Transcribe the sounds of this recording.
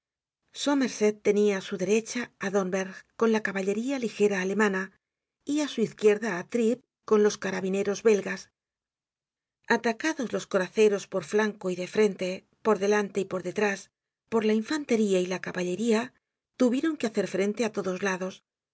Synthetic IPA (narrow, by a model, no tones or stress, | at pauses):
so̞meɾsett̪ːe̞niasuðe̞ɾe̞t͡ʃaːðombeɾɣko̞nlakaβaʎe̞ɾialixe̞ɾaːle̞mãna | iasuiθkje̞ɾðaːt̪ɾip̚ | ko̞nlo̞skaɾaβine̞ɾo̞zβe̞lɣas | at̪akaðo̞zlo̞sko̞ɾaθe̞ɾo̞spo̞ɾflaŋko̞iðe̞fɾe̞nt̪e̞ | po̞ɾðe̞lant̪e̞ipo̞ɾðe̞t̪ɾas | po̞ɾlaiɱfant̪e̞ɾiailakaβaʎe̞ɾia | t̪uβje̞ɾo̞ŋkeaθe̞ɾfɾe̞nt̪e̞at̪o̞ðo̞zlaðo̞s